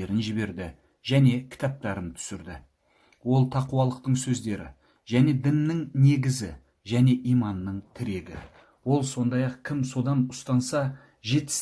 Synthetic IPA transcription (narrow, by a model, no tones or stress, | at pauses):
eɾɪnʒɪbe̞ɾd̪ɪ | ʒæne̞kʲʰɪ̥t̪ɑp̚t̪ɑɾənt̪ʰʏ̥sɪɾd̪ɪ | wo̞lˠt̪ʰɑquwɑlˠəq̚t̪əɴsɵzd̪e̞ɾɪ̰ | ʒæne̞d̪ɪmnɪŋne̞ɡʲɪzɪ | ʒæne̞ʔijmɑnːəɴt̪ʰɪɾe̞ɡʲɪ | wo̞lˠso̞nd̪ɑjɑqkʲʰɪmso̞d̪ɑnʊst̪ɑnsɑ | ʒe̞t̪ɪ̥s